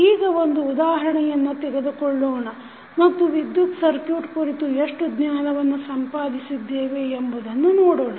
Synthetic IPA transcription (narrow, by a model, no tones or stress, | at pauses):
iːɡɐond̪uːd̪aːɦɐɾɐɳɛjɐnːut̪ɛɡed̪ukɔɭːoːɳɐ | mɐt̪ːuʋid̪jut̪sɐɾkjuːʈkuɾit̪ueʂʈud̪njaːnɐʋɐnːusɐmpaːd̪isid̪ːeːʋeːmbud̪ɐnːunoːɽoːɳɐ